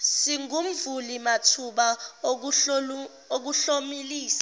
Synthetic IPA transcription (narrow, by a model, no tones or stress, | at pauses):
siŋum̩vulimatʰuɓa | ok̬uɬomiliːsḁ